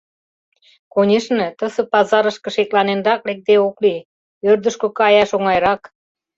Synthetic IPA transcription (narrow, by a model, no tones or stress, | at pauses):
konʲeʃnĕt̪ə̆sə̆pɑzɑɾə̆ʃkɤ̆ʃeklɑnend̪ɑklek̚t̪eokli | ørd̪ə̆ʃkokɑjɑʃoŋɑjɾɑk